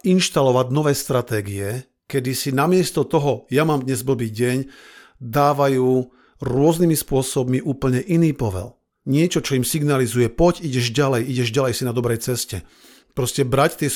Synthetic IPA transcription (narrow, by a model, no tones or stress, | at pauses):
inʃt̪alɔʋaɟnɔʋɛːst̪ɾat̪ɛːɡiɛ | kɛd̪isinamɪɛst̪ɔt̪ɔɦɔjamaːmd̪ɲɛzd̪ɔbiːɟɛɲ | d̪aːʋajuː | ɾʊɔznimispʊɔsɔbmiʔuːpl̩ɲɛʔiniːpɔʋɛ̰l | ɲɪɛt͡ʃɔt͡ʃɔimsiɡnalizujɛpɔɟiɟɛʒɟalɛjiɟɛʒɟalɛjsinad̪ɔbɾɛjt͡sɛscɛ | pɾɔscɛbɾact̪ɪɛ